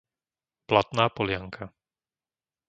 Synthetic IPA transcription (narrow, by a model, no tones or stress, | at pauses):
plat̪naːpɔlɪaŋkʰa